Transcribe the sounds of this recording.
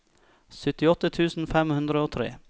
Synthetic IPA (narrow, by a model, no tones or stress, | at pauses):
sʏt̪ɪɔt̪ət̪ʰʉːsn̩fɛmhʉnd̪ɾəoːt̪ʰɾḛː